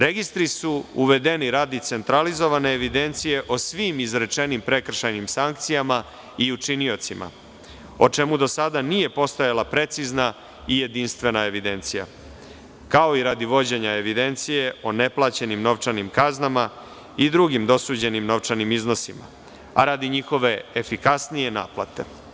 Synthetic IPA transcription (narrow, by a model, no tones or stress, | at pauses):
ɾeɡist̪ɾisuuʋe̞d̪e̞niɾad̪it̪se̞nt̪ɾalizo̞ʋane̞ːʋid̪e̞nt̪sije̞ʔo̞sʋimizɾet͡ʂe̞nimpɾe̞kr̩ʃajnimsaŋkt̪sijama | iut͡ʂinio̞t̪sima̰ | o̞t͡ʂe̞mud̪o̞sad̪anije̞po̞st̪ojalˠapɾe̞t̪sizna | ije̞d̪inst̪ʋe̞nae̞ʋid̪e̞nt̪sija̰ | kao̞iɾad̪iʋo̞d͡ʑeɲae̞ʋid̪e̞nt̪sije̞ʔone̞plˠat͡ɕe̞nimno̞ʋt͡ʂanimkaznama | id̪ɾuɡimd̪o̞suːd͡ʑe̞nimno̞ʋt͡ʂanimizno̞sima̰ | a̰ɾad̪iɲixo̞ʋe̞efikasnije̞na̰ːplˠa̰t̪e̞̰